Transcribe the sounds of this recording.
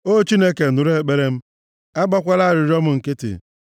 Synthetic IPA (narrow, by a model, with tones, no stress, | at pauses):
o˦t͡ʃi˦ne˦ke˨dʊ˨ɾe˦˨k͡pe˦ɾe˦m̩˦ | a˦ɡ͡bɔ˦kʷa˦la˦˨ɾɪ˨ɾi˦ɔ˦mʊ˨ŋ̩˨kɪ˦tɪ̰˨